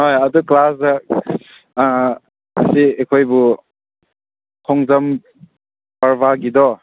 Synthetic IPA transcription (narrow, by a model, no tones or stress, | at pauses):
ɦojɐduklasa | siekʰojbu | kʰɔŋzɐm | baɾbaɡidɔ